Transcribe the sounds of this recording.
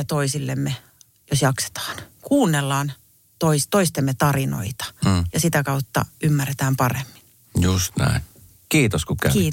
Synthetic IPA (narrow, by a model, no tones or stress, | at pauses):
jɑt̪oisilːemːe | josjɑkse̥t̪ɑ̥ːnkuːnːelːɑːn | t̪oist̪oist̪emːet̪ɑrino̰it̪ɑ̥jɑsit̪ækɑut̪ːɑ̰ymːærːet̪æːmpɑremːi̥n | just̪næ̰in | kiːt̪oskukæ̰iː